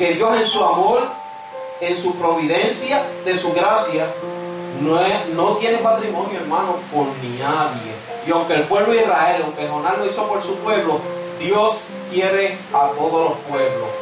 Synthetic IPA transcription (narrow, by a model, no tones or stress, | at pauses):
ke̞ðjo̞se̞nsuamoɾ | e̞nsupɾo̞βiðe̞nsjaðe̞suɣɾasja | nenot̪je̞nepat̪ɾimõ̞njoeɾmãnopo̞ɾninaðje̞̰ | iawŋke̞ːlpwe̞βloihrae̞lawŋkelɦonãnnoiso̞po̞ɾsupwe̞βlod̪jo̞s | kje̞ɾe | at̪o̞ðoslo̞spwe̞βlo̰s